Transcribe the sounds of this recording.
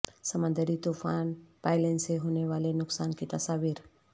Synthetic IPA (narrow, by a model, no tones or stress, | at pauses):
səmə̃nd̪əɾit̪ufaːnpajlenseɦoneʋaːlenʊksaːnkit̪ɐsaːʋiːɾ